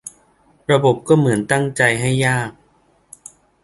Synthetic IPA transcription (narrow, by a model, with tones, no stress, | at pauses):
ɾa˧bo˨˩p̚kɔː˥˩mɯ˩˦ənt̪a˥˩ŋt͡ɕa˧jɦa˥˩jːaː˥˩k̚